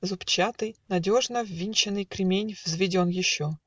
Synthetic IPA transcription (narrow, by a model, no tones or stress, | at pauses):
zʊpt͡ɕat̪ɨjnɐdʲo̞ʐnəvːʲinʲt͡ɕɪnɨjkɾʲɪmʲenʲvzvʲɪdʲonjɪɕːo